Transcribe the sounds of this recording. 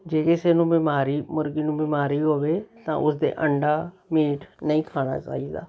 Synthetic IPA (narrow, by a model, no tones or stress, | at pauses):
d͡ʒeːkɪseːnũːbɪmaːɾiːmʊɾɡiːnũːbɪmaːɾiːɦoːʋeːt̪ã̰ːʔʊsd̪ḛːʔəɳɖaː | miːʈnəĩːkʰaːɽ̃a̰ːt͡ʃa̰ːiːd̪a̰ː